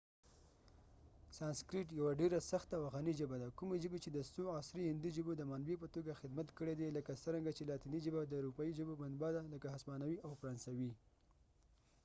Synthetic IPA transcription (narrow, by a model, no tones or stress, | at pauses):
sɑnskɾiʈ̬jawaɖeɾasaxt̪awaɣanid͡ʒəbad̪akumed͡ʒəbet͡ʃed̪əsoɑsɾihɪnd̪id͡ʒəbod̪əmanbep̬ət̪oɡaxɪd̪mat̪kəɽed̪eləkasəɾaŋɡat͡ʃelɑt̪inid͡ʒəbad̪əːɾupɑid͡ʒəboband̪bɑd̪aləkaɦaspɑnawiʔawfɾɑnsawi